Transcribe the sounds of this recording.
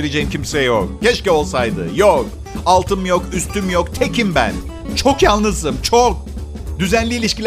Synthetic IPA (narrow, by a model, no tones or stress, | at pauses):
ilʲe̞d͡ʒe̞jimcʲimsɛjok̚cɛʃcɛo̞lˠsajd̪ɯ̰jok | alˠt̪ʰɯmjo̞kyst̪ʰymjo̞kt̪ʰecimbæ̰n | t͡ʃʰo̞kjalˠnɯzd̪ɯmt͡ʃʰok̚ | d̪yzænlʲiːlʲiʃcilʲ